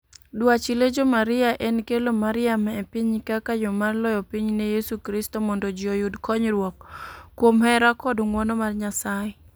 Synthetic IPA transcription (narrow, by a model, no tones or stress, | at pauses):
dwat͡ʃiled͡ʒomaɾɪaʔenkelomaɾɪamɛpiɲkakajɔmarlɔjɔpiɲnejesukɾistɔmɔndod͡ʒiojudkɔɲɾwɔkːwomhɛɾakɔdŋwɔnɔmarɲasajɛ